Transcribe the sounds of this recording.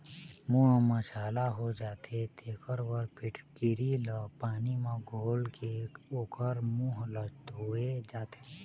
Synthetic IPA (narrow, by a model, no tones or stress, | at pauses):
muːɦməʃaːlaɦod͡ʒaːt̪et̪ʰeːkʰəɾwəɾpɪʈʰkɪɾiləpaːnimãɡʱoːlkeoːkəɾmuːɦləd͡ʒt̪ʊed͡ʒaːt̪e̥